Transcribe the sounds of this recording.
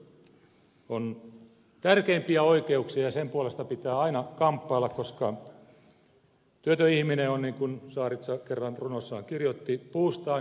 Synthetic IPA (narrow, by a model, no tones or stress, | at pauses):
on | t̪ærkeimpiæoikeuksiɑjɑsempuolest̪ɑpit̪æːɑinɑkɑmpːɑːlːɑkkoskɑ | t̪yøt̪øihmineonniŋkunsɑːrit̪sɑkerːɑnrunosːɑːŋkirjot̪ːipuːst̪ɑː